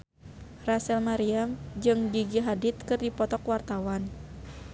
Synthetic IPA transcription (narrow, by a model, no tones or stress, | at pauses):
rasɛlmaɾiamd͡ʒɨŋɡiɡiɦadit̪kɨrdipɔt̪ɔkwart̪awan